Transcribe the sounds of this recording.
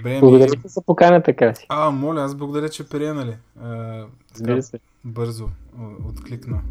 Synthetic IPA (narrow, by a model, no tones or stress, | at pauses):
bɛblˠɐɡoʊd̪ɐɾit̪izɐpokanət̪ɐkasi̥amɔlʲiazblˠɐɡʊd̪ɐɾʲət͡ʃɛpɾʲiɛnɐli | ə | zbbiɾəsɛ | bɤɾzoot̪klʲiknə